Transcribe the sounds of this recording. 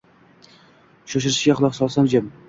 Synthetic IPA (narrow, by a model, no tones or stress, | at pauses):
ʃoʃ̬ɪɾɪʃɪɡʲaχʊlˠɒqsɒlˠsamd͡ʒɪm